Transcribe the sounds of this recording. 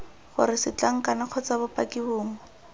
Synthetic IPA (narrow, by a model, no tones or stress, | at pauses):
χʊ̰ɾɪsɪt͡ɬaŋ̩kanɪq͡χʰɔt͡sabʊpakibʊːŋ̩